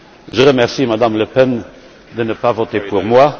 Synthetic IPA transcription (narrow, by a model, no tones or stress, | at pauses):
ʒəʁəmɛʁsimad̪amləpɛn | d̪ənəpavot̪epuʁmwa